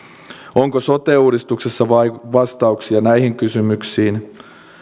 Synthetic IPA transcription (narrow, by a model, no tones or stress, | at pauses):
o̞ŋkoso̞t̪euːɾist̪ukse̞sːɑʋɑiʋɑst̪ɑuksiɑnæjɦiŋkysymyksiːn